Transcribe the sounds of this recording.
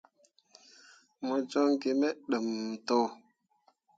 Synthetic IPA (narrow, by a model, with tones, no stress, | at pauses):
mo˨d͡ʒo˦ŋɡe˨me˦ɗə˨m˨to˦w